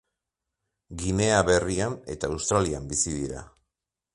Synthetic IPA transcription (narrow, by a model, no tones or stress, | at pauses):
ɡine̞aβe̞riane̞̰t̪aːwst̪ɾaliambisiðiɾa̰